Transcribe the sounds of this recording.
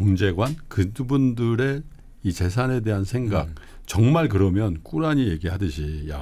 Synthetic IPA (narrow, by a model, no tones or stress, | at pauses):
oŋd͡ʑe̞ɡwankɯubundɯɾe̞ | it͡ɕe̞s̬ʰane̞de̞ɦansʰe̞ŋɡa̰k̚ | t͡ɕʌŋmaɭk̬ɯɾʌmjʌnk͈uɾaɲije̞ɡihadɯɕʰija